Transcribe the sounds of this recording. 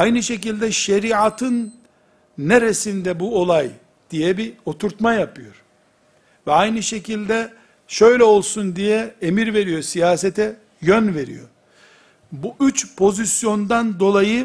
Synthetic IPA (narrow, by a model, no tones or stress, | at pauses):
ajnɯʃe̞c̬ilʲd̪ɛʃeɾiat̪ʰɯnː | eɾesind̪ɛbuo̞lˠaj | d̪̥ijɛbio̞t̪ʰuɾt̪majapʰɯjo̞ɾ̥ | vɛajnɯʃe̞cilʲd̪ɛ | ʃø̞jlʲɛo̞lˠsund̪ijɛemiɾve̞ɾijo̞sijaːset̪ʰɛ | jønve̞ɾḭjo̞̰ | buʔyt͡ʃpʰo̞zisjo̞nd̪and̪o̞lˠajɯ